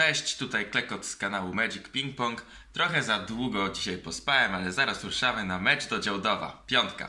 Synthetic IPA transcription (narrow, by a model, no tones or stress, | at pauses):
ɛɕt͡ɕt̪ut̪ajklɛkɔt̪skanawumɛd͡ʑikpʲiŋk̚pɔŋk | t̪ɾɔxɛzad̪wuɡɔd͡ʑiɕajpɔspawɛmalɛzaɾasɾuʂamɘnamɛd͡ʐd̪ɔd͡ʑawd̪ɔva̰pʲjɔnt̪ka̰